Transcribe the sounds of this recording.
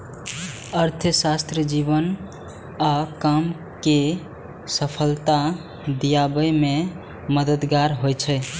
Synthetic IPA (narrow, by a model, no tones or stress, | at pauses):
əɾt̪ʰəsast̪ɾiəd͡ʒibən | akəm | ke | səpʰəlt̪a | d̪ijabəjme | məd̪əd̪ɡaɾɦojt͡ʃʰɛ